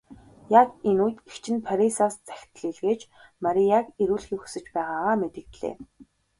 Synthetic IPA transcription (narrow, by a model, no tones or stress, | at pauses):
jakenuːjt̪ekt͡ɕʰɪ̆npʰaɾʲisaːst͡sæ̥xʲt̪ɮiːɮɣeːt͡ɕ | maɾʲijakeɾuːɮxiːxu̥sɘ̆t͡ɕpæːʁaːaːmet̪ɘ̆kt̪ɮḛː